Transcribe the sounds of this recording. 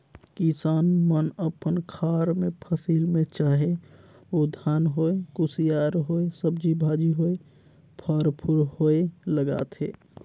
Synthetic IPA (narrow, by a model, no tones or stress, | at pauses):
kisaːnmənəpənkʰaɾmẽpʰəsilmẽt͡ʃaːɦe | od̪ʱaːnɦoekʊsijaɾɦoesəbd͡ʒibʱad͡ʒiɦoe | pʰəɾpʰuɾɦoeləɡa̰ːt̪ɦḛ